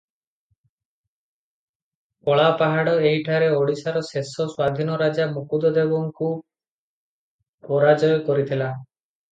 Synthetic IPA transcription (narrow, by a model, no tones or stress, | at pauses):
kɔɭapaɦaɽɔeɦiʈʰaɾeoɽisaɾɔsesɔswad̪ʱinɔɾad͡ʒamukud̪ɔd̪ebɔŋku | pɔɾad͡ʒɔjɔkɔɾit̪ʰila